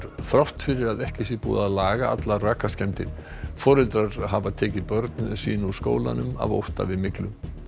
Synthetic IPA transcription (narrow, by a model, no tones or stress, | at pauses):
ɾθɾawht̪fɪɾɪɾaðɛhcɪsjɛpṵːðaðlaːɣaa̰t̪laraːkascɛm̥t̪ɪɾ̥ | fɔːɾɪlt̪ɾaɾ̥ɦavat̪ʰɛːcɪðpœɾt̪nsḭːnusko̰ːwla̰nʏma̰vo̰wht̪a̰vɪðmɪklʏm